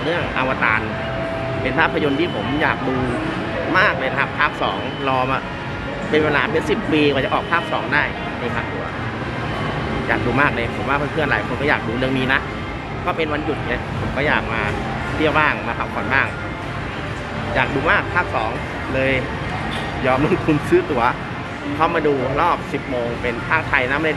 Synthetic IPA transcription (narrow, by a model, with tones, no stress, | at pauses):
lɯ˥˩əŋʔa˧wa˧t̪aː˧n | pe˧npʰaː˥˩pʰːjo˧nt̪ʰiː˥˩pʰo˩˦mjaː˨˩k̚duː˧ | maː˥˩k̚lɤː˧jna˧kʰa˦˥pʰːaː˥˩p̚sɔː˩˦ŋ | lɔː˧ma˨˩ | pe˧nweː˧laː˨˦mpe˧˥nsi˨˩pːiː˧kɔː˨˩t͡ɕa˨˩ʔɔː˨˩k̚pʰaː˥˩p̚sɔː˩˦ŋdaː˥˩j | na˧˩pʰa˦˥k̚t̪u˧˩ɐ | ja̰ː˨˩k̚duː˧maː˥˩k̚lɤː˧jpʰo˨˩˦mwaː˥˩a˧˥˩pʰɯ˥˩ənlaː˨˦jkʰo˧nkɔ˥˩aː˨˩k̚duː˧lɯ˥˩əŋmiː˧na˦˥ | kɔː˥˩pe˧nwa˧nju˨˩t̪̚ni˦˥˩pʰo˨˩˦mkɔː˥˩jaː˨˩k̚maː˧ | t̪ʰi˥˩əwbaː˥˩ŋmaː˧pʰa˧˥mkʰɔ˨˩˦nbaː˥˩ŋ | jaː˨˩k̚duː˧maː˥˩k̚pʰaː˥˩k̚sɔː˩˦ŋ | lɤː˧j | jɔː˧mlo˦˥˩ŋt̪ʰu˧nsɯː˦˥t̪u˨˩˦ɐ | t̪ʰa˦˥˩wmaː˧duː˧ɾɔː˥˩p̚si˨˩p̚moː˧ŋpe˧npʰaː˥˩k̚t̪ʰa˧jna˧˦˥m˦da˧˩